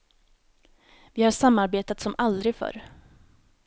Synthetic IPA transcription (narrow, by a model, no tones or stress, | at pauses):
vɪhaʂamːaɾbeːt̪at̪sɔmald̪ɾɪɡfœ̰ɾ